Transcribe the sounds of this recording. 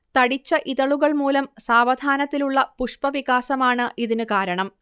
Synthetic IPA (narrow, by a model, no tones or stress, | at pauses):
t̪ɐɽit͡ɕːɐʔiðɐɭuɣɐɭmuːlɐmsaːʋɐd̪ʱaːnɐt̪ːiluɭːɐpuʂpɐʋiɣaːsɐmaːɳɨʔiðinɨkaːɾɐɳɐm